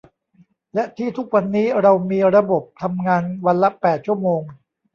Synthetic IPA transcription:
lɛ˦˥ʔt̪ʰiː˥˩t̪ʰu˦˥k̚wa˧nːiː˦˥ɾa˧wmiː˧ɾa˧bo˨˩p̚t̪ʰa˧mŋaː˧nwa˧nla˦˥pɛː˨˩t̪̚t͡ɕʰu˥˩əmoː˧ŋ

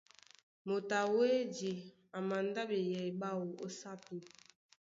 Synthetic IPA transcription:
mo˨ta˨we˦di˨ | a˨ma˨nda˦be˨jɛ˨i˨ba˦wo˨ʔo˦sa˦pi˦

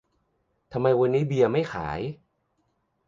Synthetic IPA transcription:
t̪ʰa˧mːa˧jwa˧nːiː˦˥bi˧ɐma˥˩jxʰa̰ː˩˦j

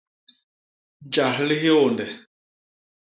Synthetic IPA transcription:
d͡ʒa˨ɦli˦ɦe˦o˨ndɛ˨

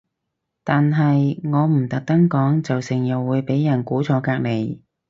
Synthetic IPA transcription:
t̪aː˨nɦɐ˨jŋɔː˨˧m̩˨˩t̪ɐ˨k̚t̪ɐ˥ŋkɔː˨˥ŋt͡sɐ˨wsɪ˨˩ŋjɐ˨wwːuː˨˧jpe˨˥jːɐ˨˩nkuː˨˥t͡sʰɔː˨˧˥kaː˧k̚ne˨˧j

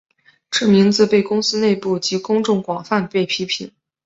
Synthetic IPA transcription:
ʈ͡ʂ̩ʰ˥˩mi˧˥ŋt͡sɹ̩˧pe˥˩ɪkʊ˥ŋsɹ̩˥ne˥˧ɪpu˥˩t͡ɕi˧˥kʊ˥ŋʈ͡ʂʊ˥˩ŋkwɑ˨˩ŋfa˥˧npe˥˩ɪpʰi˥pʰḭ˨˩˦n

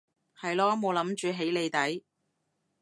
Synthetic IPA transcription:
hɐ˨jlɔː˥mo˨˧wlɐ˨˥mt͡ʃyː˨˧ɦe˨˥jle˨˧jt̪ɐ˨˥j

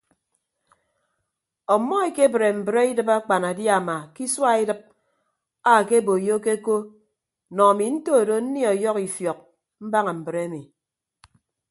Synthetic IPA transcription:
ɔ˨mːɔ˦e˨ke˦bɾe˨m̩˨bɾe˦i˦dɨ˦pa˦k͡pa˨na˨dja˨ma˨ki˦swa˦i˦dɨ˦p̚ | a˦˨ke˦bo˨jo˦ke˦ko˦ | nɔ˨a˨mi˨n̩˦to˦˨do˨n̩˦ni˦ɔ˨jɔ˦ki˨fjɔ˨k̚ | m̩˦ba˦ŋa˨m̩˨bɾe˦mi˨

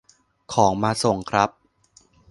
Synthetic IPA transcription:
kʰɔː˩˦ŋmaː˧so˨˩ŋkʰɾa˦˥p̚

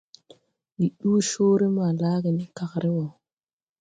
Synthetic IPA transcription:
ɗi˨ɗuː˦ʃo˦ɾe˦ma˨laː˦ɡe˨ni˦ka˨kɾʔe˦wo˨

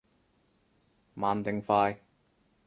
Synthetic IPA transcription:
maː˨˧nt̪ɪ˨˧ŋfaː˧j

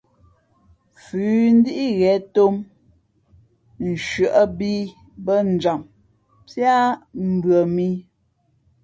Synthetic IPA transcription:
fʉː˨˦n̩˦di˦ʔi˦ɣɛ˨˦to˦m | n̩˨ʃɰə˨ʔə˦bi˦ | bə˦n̩˨d͡ʒa˨m | pja˦m̩˦˨bɥɰə˨mi˦

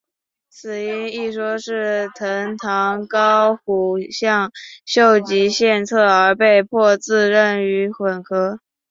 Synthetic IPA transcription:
t͡sʰɹ̩˨˩i˥ni˥˩ʂwɔ˥ʂɻ̩˥˩t̪ʰə˧˥ŋt̪ʰɑ˧˥ŋkɑ˥ʊxu˨˩ɕjɑ˥˩˧ŋɕjo˥˩ʊt͡ɕi˧˥ɕjɛ˥˧nt͡sʰɤ˥˩ə˞˧˥pe˥˧ɪpʰwɔ˥˧t͡sɹ̩˥˧ɻə˥˩ny˧˥xwə˨˩nkʰɤ˧˥

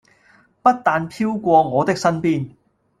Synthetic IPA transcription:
pɐ˥t̚t̪aː˧npʰiː˥wkʷɔː˧ŋɔː˨˧t̪ɪ˥k̚sɐ˥npiː˥n

